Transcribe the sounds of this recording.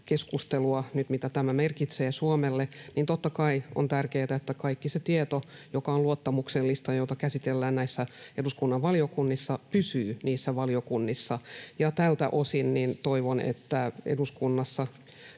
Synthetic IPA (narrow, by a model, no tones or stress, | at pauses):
keskust̪eluɑnyt̪mit̪æt̪æmæmerkit̪seːsuomelːeniːnt̪ot̪ːɑkɑio̰nt̪ærkeːt̪æet̪ːækɑikːiset̪iet̪ojokɑoluot̪ːɑmukselːist̪ɑjoit̪ɑkæsit̪elːæːnnæisːæeduskunːɑʋʋɑliokunːisːɑpysyːniːsːæʋɑliokunːisːɑjɑt̪ælt̪æ̰ʔosinnint̪oiʋonḛt̪ːæḛduskunːɑsːɑ